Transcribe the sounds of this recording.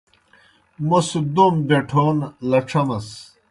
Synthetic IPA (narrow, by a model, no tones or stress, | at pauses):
mosud̪ombeʈʰoːnlɐʈ͡ʂʰɐmɐs